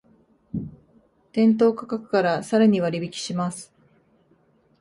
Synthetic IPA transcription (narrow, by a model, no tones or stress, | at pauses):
t̪ẽ̞nt̪̬o̞ːkḁkakɯ̟̥kaɾasaɾaɲ̟iβaɾʲibʲikʲi̥ɕimasɨ̥